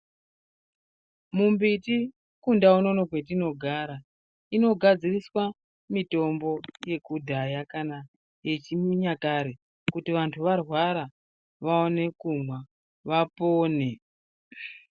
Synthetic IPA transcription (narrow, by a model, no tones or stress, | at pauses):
mumbiti | kundauno̞nokwe̞tino̞ɡʱaːɾa | ino̞ɡʱad͡ziriswa | mito̞mbo̞je̞kudʱajakana | je̞t͡ʃimiɲakaɾe | kutiʋantʰuʋarwaɾa | ʋaone̞kumwa | ʋapoːne